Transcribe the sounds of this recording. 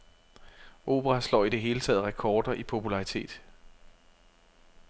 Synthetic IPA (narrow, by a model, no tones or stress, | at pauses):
ʔo̝̰ːb̥əʁɑslɒ̰ːid̥e̝ɦe̝ːlət͡sʰɛ̰ːð̩ˠʁɛkʰɒːd̥ɐʔipʰo̝pʰulɑ̈ʁit͡sʰe̝̰ːd̥